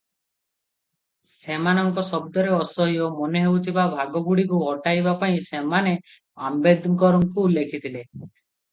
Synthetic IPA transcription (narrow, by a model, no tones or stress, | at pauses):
semanɔŋkɔsɔbd̪ɔɾeɔsɔɦiɔmɔneɦewt̪ʰibabʱaɡɔɡuɽikuɦɔʈajbapaĩsemane | ambed̪kɔɾɔŋkuːlːekʰit̪ʰile